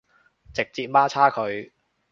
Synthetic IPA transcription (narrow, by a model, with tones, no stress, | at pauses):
t͡sɪ˨k̚t͡siː˧t̚maː˥t͡sʰaː˥kʰɵ˨˧ɥ